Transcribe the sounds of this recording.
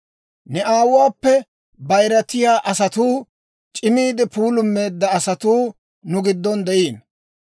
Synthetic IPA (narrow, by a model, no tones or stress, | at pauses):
nɛʔaːwʊwaːpːɛ | bɐjɾɐt̪ːɪjaːʔɐsɐt̪uː | t͡ʃʼɪmiːd̪ɪpuːlʊmːe̞ːd̪ːɐɐsɐt̪uː | nʊɡɪd̪ːɔnd̪ɛʔiːn